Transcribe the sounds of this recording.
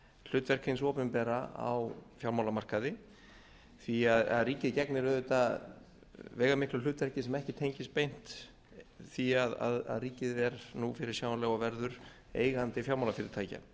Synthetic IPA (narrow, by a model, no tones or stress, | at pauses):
l̥ʏːt̪vɛr̥kejnsɔːpɪmpɛːɾaa̰wfjawlmawlamar̥kaðɪ | θiaða̰ðriːcɪðcɛknɪɾœðʏt̪a | vɛːjɣamɪhklʏlʏːt̪vɛɾ̥cɪsɛmɛhcɪt̪ʰejɲcɪst̪̚pejn̥t̪ | θiaða̰ða̰ðriːcɪðɛɾnufɪɾɪ̥sjaːwalɛɣavɛɾðʏɾ | ḛːjɣant̪ɪfjawlmawlafɪɾɪɾt̪ʰaːjca̰n